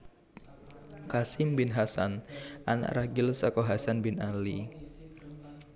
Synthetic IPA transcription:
kasɪmbɪnɦasanʔana̰ʔɾaɡɪlsakɔɦasanbɪnali

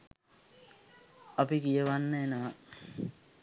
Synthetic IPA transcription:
apikijəʋanːəenəʋa

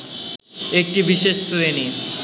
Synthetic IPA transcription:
ek̚ʈibiʃeʃseni

